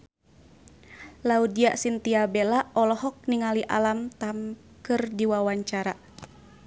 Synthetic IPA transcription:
laudiaʔsint̪iabelaɔlɔɦɔk̚niŋaliʔa̰lamt̪am | kɨrdiwawaɲt͡ʃaɾa

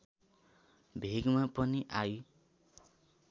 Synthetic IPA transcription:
bʱeɡmapʌniʔaju

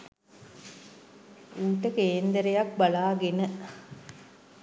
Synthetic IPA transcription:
uːʈəkeːnd̪əɾejak̚balaːɡenə

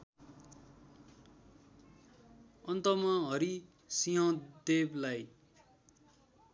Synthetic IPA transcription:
ʌnt̪ʌmʌɦʌɾi | siɦʌ̃d̪eblaj

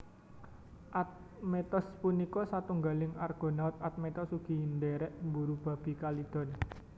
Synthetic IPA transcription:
ʔat̪̚ | met̪ɔspunikɔsat̪uŋɡalɪŋarɡ̥o̤naʊt̪̚at̪̚met̪ɔsuɡ̥i̤nd̪eɾɛʔmbuɾub̥a̤b̥i̤kalid̪̥ɔ̤n

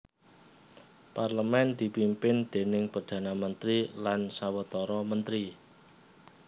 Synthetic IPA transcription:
parləmɛnd̪̥i̤pimpɪnd̪̥e̤nɪŋpard̪̥ä̤namənt̪ɾilansawət̪ɔɾɔmənt̪ɾi

